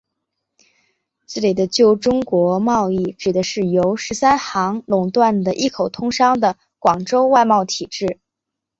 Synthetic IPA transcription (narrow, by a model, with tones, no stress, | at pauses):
t͡sɹ̩˥˩li˨˩d̪ə˦t͡ɕjo˥˩ʊʈ͡ʂʊ˥ŋkwɔ˧˥mɑ˥˧ʊi˥˩ʈ͡ʂɻ̩˨˩d̪ə˦ʂɻ̩˥˩jo˧˥ʊʂɻ̩˧˥sa˥nxɑ˧˥ŋlʊ˨˩ŋt̪wa˥˩nd̪ə˩ʔi˥˩kʰo˨˩ʊt̪ʰʊ˥ŋʂɑ˥ŋd̪ə˨ | kwɑ˨˩ŋʈ͡ʂo˥ʊwa˥˧ɪmɑ˥˩ʊt̪ʰi˨˩ʈ͡ʂɻ̩˥˩